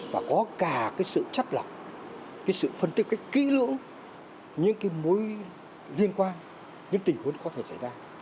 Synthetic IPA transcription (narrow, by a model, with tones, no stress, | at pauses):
vaː˨˩kɔ˨˦kaː˧˩kaː˨˦jsɨ̰˧˨t͡ɕa˦˥t̚la˨˩wk͡p̚ | kaː˨˦jsɨ̰˧˨fə˧nt̪i˦˥p̚kːaː˨˦jk̚kḭ˧˥lɨ̰˧˥əŋ | ɲɨ̰˧˥ŋkaː˨˦jmo˨˦j | li˧ənkwaː˧n | ɲɨ̰˧˥ŋt̪i˨˩hu˨˦ənkɔ˨˦t̪ʰe˧˩sa˧˩jzaː˧